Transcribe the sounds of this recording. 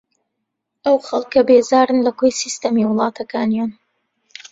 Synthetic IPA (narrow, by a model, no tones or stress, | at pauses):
ʔɐwxɐlˠkʰːɐbeːzaːɾɨnlɐkojsist̪ɐmiwʊlˠɑːt̪ʰɐkʰaːnijaːn